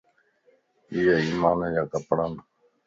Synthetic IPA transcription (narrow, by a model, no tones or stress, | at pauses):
iːjeːiːmaːnejaːkəpɳaːn